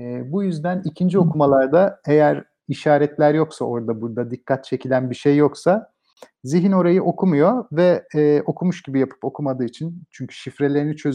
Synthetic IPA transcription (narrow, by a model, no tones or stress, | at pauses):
ɛːbujyzd̪ænicʰind͡ʒio̞kʰumalˠaɾd̪ae̞jæɾ | iʃaːɾɛt̪lʲæɾjo̞ksao̞ɾd̪abuɾd̪ad̪ikːat̪̚t͡ʃʰe̞cʰilʲænbiʃejːo̞ksa | ziɦino̞ɾajɯʔo̞kʰumujo̞vɛːʔo̞kʰumuʃɟibijapʰɯ̥po̞kʰumad̪ɯːit͡ʃʰint͡ʃʰyɲcʰy̥ʃifɾe̞lʲe̞ɾinit͡ʃʰø̞z